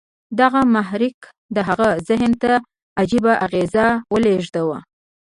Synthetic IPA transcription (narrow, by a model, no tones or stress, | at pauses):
d̪aɣamaɦɾik | d̪əɦaɣazɪɦnt̪a | ad͡ʒibaʔaɣezawəleʒd̪awa